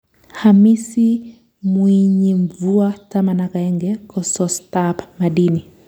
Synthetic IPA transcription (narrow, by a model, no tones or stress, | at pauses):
hamisi | mwiɲiɱvuatamanakaɛŋɡɛkɔsɔstapmaɗini